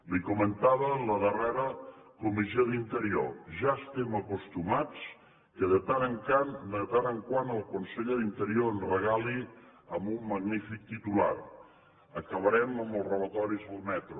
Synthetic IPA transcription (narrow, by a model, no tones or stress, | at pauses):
likumənt̪aβələðərɛɾəkumisoðint̪əɾio̰ʒaəst̪ɛməkust̪umat͡s | kəðət̪anəŋkand̪ət̪anəŋkwanəlˠkunseʎəðint̪əɾioənrəɣali | əmbumːəɣnifik̚t̪it̪ula̰ɾ | əkəβəɾɛməməlˠzrələt̪ɔɾizðəlˠmɛt̪ɾu